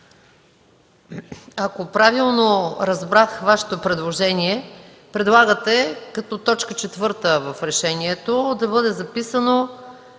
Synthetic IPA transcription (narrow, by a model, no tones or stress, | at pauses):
akopɾavilˠnoɾɐzbɾat̪xvaʃe̥t̪opɾɛd̪lˠoʒɛniɛ | pɾɛd̪lˠaɡət̪ɛkɐt̪ɔt̪ɔt͡ʃkət͡ʃɛt̪vɤɾt̪əvɐfɾɛʃɛniɛt̪od̪ɐbɤd̪ɛzɐpisəno